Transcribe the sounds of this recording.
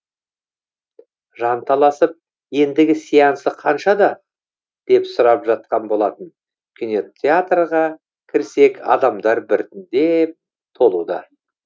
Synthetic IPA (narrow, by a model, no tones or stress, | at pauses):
ʒɑnt̪ʰɑlˠɑsəp̚ | je̞nd̪ɪɡʲɪsijɑnsəqʰɑnʃɑd̪ɑ | d̪̥e̞psʊɾɑpʒɑt̪̚qɑnbo̞lˠɑt̪ən | kʲʰɪneeat̪rʁɑ | kʲʰɪɾse̞kɑ̰d̪ɑmd̪ɑɾbɪɾt̪ɪnd̪e̞p̚ | t̪ʰo̞lˠud̪ɑ